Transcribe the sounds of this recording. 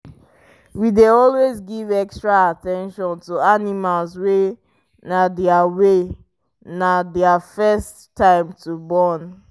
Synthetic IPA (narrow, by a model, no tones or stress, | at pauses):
wideɔlwezɡivɛkstɹaatɛ̃nʃɔ̃ntuanimalswe | nadɛawe | nadɛafɛsttʰːãɪ̃mtʰubɔn